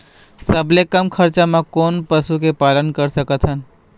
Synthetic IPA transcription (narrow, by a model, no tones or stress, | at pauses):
səblekəmkʰəɾt͡ʃamãkoːnpəsukepaːlənkəɾsəkət̪ʰɦən